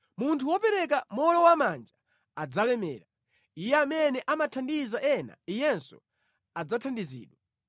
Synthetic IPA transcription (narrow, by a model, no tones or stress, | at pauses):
muntʰuwɔpɛɾɛkamɔlɔwamand͡ʒa | ad͡zalɛmɛ̰ːɾa | ijɛamɛnɛʔamatʰandizaʔɛna̰ijɛnsɔ̰ | ad͡zatʰandizḭːɗwa